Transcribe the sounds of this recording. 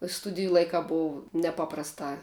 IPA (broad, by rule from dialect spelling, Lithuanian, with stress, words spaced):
ˈstʊdʲɪjʊ ˈlˠɐɪkɑː ˈboːw nʲɛˈpɑːprɐstɑː